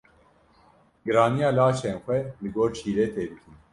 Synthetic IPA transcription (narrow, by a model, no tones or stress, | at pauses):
ɡɨɾɑːnijɑːlaːʃeːnxʷɛlɨɡoːɾt͡ʃʰiːleːt̪ʰeːb̪ɨkʰɨn